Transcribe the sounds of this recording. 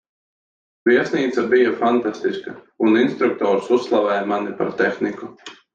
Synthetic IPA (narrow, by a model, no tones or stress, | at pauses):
vʲiɛsniːt̪sabijafant̪ast̪iska | uninst̪ɾuk̚t̪ɔːɾususːlˠavɛːjmanipa̰ɾt̪exniku